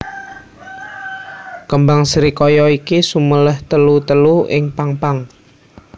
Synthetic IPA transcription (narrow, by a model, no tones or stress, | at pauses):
kəmbaŋsɾikɔjɔikisumələht̪əlut̪əluɪ̰ŋpaŋpaŋ